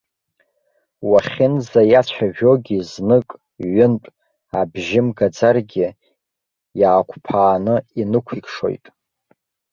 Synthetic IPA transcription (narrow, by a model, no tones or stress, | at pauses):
waχʲɪnzajat͡ɕʷʰaʒᶣo̞ɡʲiznɨkʼ | ɥʏntʼ | abʒɪmɡad͡zarɡʲɪ | jaːkʷʰʼpʰaːnɨinɨkʷʰikʰʼʂo̞̰jtʼ